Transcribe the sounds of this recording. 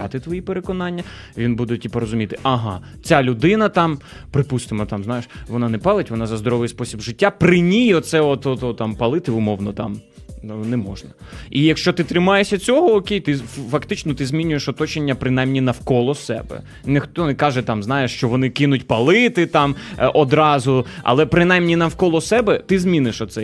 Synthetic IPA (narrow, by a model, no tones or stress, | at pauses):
ɑ̰t̪ɪt̪ʋɔjipeɾekɔnɑnʲːɐ | ʋʲinbud̪ɛtʲipɔɾɔzʊmʲit̪ɪʔɐɦɑ | t͡sʲalʲʊd̪ɪnɐt̪ɑm | pɾɪpust̪ɪmɔt̪ɑmznɑjeʃʋɔnɑnɛpɑlˠɪtʲʋɔnɑzɐzd̪ɔɾɔʋɪjspɔsʲibʒɪtʲːapɾɪnʲijɔt̪t̪sɛɔt̪ɔt̪ɔt̪ɑmpɐlˠɪt̪ɪʊmɔwnɔt̪ɑm | nɛmɔ̰ʒnɐ | ijɐkʃt͡ʃɔt̪ɪt̪ɾɪmɑjesʲɐt͡sʲɔɦɔːkʲejt̪ɪfɐkt̪ɪt͡ʃnɔt̪ɪzmʲinʲʊjeʃɔt̪ɔt͡ʃenʲːɐpɾɪnajmnʲinɐwkɔlˠɔsɛ̰bɛ̰ | nɪxt̪ɔnɛkɑʒɛt̪ɑmznɑjeʂt͡ʃɔʋɔnɪkɪnʊtʲpɐlˠɪt̪ɪt̪ɑmʔɔd̪ɾɑzʊɐ̰lˠɛpɾɪnajmnʲinɐwkɔlˠɔsɛbɛt̪ɪzmʲinɪʃɔt̪sɛ